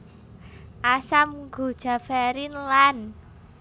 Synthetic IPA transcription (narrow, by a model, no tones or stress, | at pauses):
ʔasamɡ̥ṳd̥ʒ̥a̤fɛɾinlan